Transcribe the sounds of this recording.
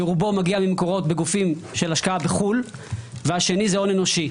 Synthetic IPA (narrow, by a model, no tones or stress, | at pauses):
eʁubo̞maɡiamimeko̞ʁo̞t̪beɡufimʃe̞laʃkaabeχul | veaʃe̞nizeo̞neno̞ʃi